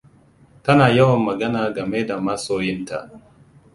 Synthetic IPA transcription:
tɐ˦naː˨ja˦wɐ˨mːɐ˨ɡɐ˦naː˨ɡa˨me˦da˨ma˦soː˦jɪ˦nta̰˨

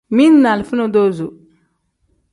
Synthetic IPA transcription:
mi˦nna˨lfu˦no˨do˦zu˨

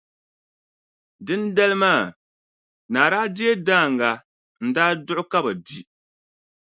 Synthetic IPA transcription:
dɨ˦nda˦lɨ˦maː˦˨ | naː˨ɾaː˦dɪ˦e˦daː˦˨ŋɡa˨ | n̩˦daː˦dʊ˦ʔʊ˦ka˦ba˨di˦

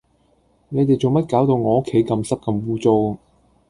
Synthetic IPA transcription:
ne˨˧jt̪e˨jt͡so˨ŋmɐ˥t̚kaː˨˥wt̪o˨wŋɔː˨˧o˥kʰːe˨˥jkɐ˧msɐ˥p̚kɐ˧mwuː˥t͡so˥w

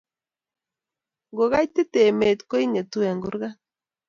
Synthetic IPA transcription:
ɡo˨ɣa˦jt̪e˦t̪e˨me˨t̪ko˦i˦ɲe˨t̪u˦a˨ŋɡu˦ɾɣa˦

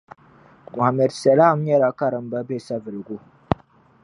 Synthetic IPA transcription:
mʊ˨a˨mɛ˨dsa˨la˦˨m˦ɲa˦ɾa˨ka˦ɾə˨mba˦be˦˨sa˦və˨lɡu˦˨

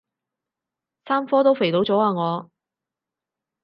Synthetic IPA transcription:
saː˥mfɔː˥t̪o˥wfe˨˩jlo˨˥wt͡sɔː˨˥aː˧ŋɔː˨˧

